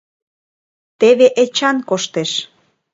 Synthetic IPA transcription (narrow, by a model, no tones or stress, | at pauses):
t̪eβeʔet͡ɕɑnkoʃt̪eʃ